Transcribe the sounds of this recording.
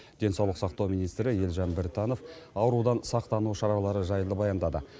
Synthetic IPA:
d̪̥e̞nsɑwlˠəqsɑqt̪ɑwmijnijst̪ɾɪje̞lʒɑnbɪɾt̪ɑno̞fɑwəɾud̪ɑnsɑq̚t̪ɑnuʃɑɾɑlˠɑɾəʒɑjəlˠəbɑjɑnd̪ɑd̪ə

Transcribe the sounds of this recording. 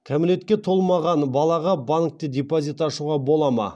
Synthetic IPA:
kʲʰamɪle̞t̪kʲe̞t̪ʰo̞lˠmɑʁɑnbɑlˠɑʁɑbank̚t̪ed̪ʲepozʲit̪ɑʃuʁɑbo̞lˠɑmɑ̰

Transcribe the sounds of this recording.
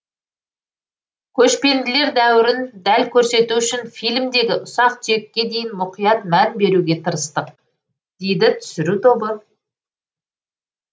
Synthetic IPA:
kʲʰɵʃpe̞nd̪ɪle̞ɾd̪æwɪɾɪnd̪ælkʲʰɵɾse̞t̪uʏʃɪnfijlmd̪e̞ɡʲɪʔʊsɑq̪e̞kʲːe̞d̪e̞jɪnmʊqijɑt̪mænbe̞ɾuɡʲe̞t̪ʰəɾəst̪əq | d̪̥e̞jd̪ɪt̪ʰʏ̥sɪɾut̪ʰo̞bə

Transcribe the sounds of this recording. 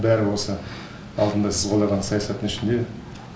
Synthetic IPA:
bæɾɪwo̞sə | ɑlˠd̪ənd̪ɑsɪzqolˠɑʁɑnsɑjɑsɑt̪ːənɪʃɪnd̪e̞

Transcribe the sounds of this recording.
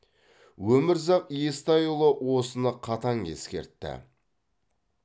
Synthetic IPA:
wɵmɪɾzɑqjest̪ɑjʊlˠəwo̞sənəqʰɑt̪ɑŋe̞̰skʲe̞̰ɾt̪ːɪ̰

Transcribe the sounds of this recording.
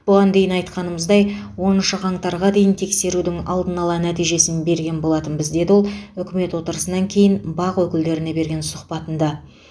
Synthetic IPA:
b̥ʊʁɑnd̪e̞jɪnɑjt̪qɑnəməzd̪ɑjwo̞nənʃəʁʰɑɴt̪ɑɾʁɑd̪e̞jɪnt̪ʰe̞kse̞ɾud̪ɪŋɑ̰lˠd̪ənɑlˠɑnæt̪ijʒe̞sɪnbe̞ɾɡʲe̞nbo̞lˠɑt̪ənbɪzd̪e̞d̪ɪwo̞lˠʏkʲɪme̞t̪wo̞t̪əɾəsənɑŋkʲʰe̞jɪnbɑqwɵkʲɪld̪e̞ɾɪne̞be̞ɾɡʲe̞nsʊqpɑt̪ənd̪ɑ

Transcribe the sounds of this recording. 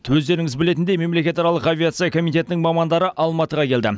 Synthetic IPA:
t̪ʰɵzd̪e̞ɾɪŋɪzbɪle̞t̪ɪnd̪ejme̞mle̞kʲe̞t̪ɑɾɑlˠəqavʲijat̪sɨijakʰo̞mijt̪ʲe̞t̪ɪnɪŋmɑmɑnd̪ɑɾəʔɑlˠmɑt̪əʁɑkʲʰe̞ld̪ɪ

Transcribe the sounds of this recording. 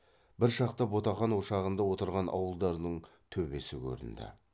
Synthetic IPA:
bɪɾʃɑqt̪ɑbo̞t̪ɑχɑnwo̞ʃɑʁənd̪ɑwo̞t̪əɾʁɑnʔɑ̰wəlˠd̪ɑɾnəɴ | t̪ʰɵbe̞sɪkʲʰɵ̰ɾɪ̰nd̪ɪ̰

